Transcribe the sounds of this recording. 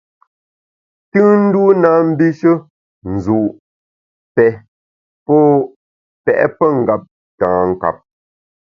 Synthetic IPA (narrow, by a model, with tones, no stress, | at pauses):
tɯː˦n̩˦du˦naː˦m̩˦bi˦ʃə˦ | n̩˨zu˨ʔ | pɛ˨ | pɔ˦˨ | pɛ̰˨ʔɛ̰˦pə˦ŋ̩˨ɡa˦p̚ | tãː˨ŋ̩˨ka̰˨p̚